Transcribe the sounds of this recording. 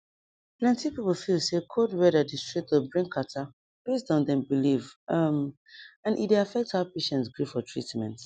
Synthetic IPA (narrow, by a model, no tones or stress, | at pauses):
plɛ̃ntipipl̩ˠfilˠsekʰodwɛdədistɹ̥ik̚tɔbɹĩŋkʰata | b̥es̬dɔ̃ndɛ̃mbilivʌm | ãnʔḭdeafɛk̚thaʊpeʃɛ̃ntsɡɹifɔtʰɹ̥ḭtmɛ̰̃nt